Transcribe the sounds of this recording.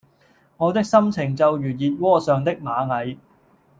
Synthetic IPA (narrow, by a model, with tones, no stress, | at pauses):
ŋɔː˨˧t̪ɪ˥k̚sɐ˥mt͡sʰɪ˨˩ŋt͡sɐ˨wjyː˨˩jiː˨t̚wɔː˥sœː˨ŋt̪ɪ˥k̚maː˨˧ŋɐ˨˧j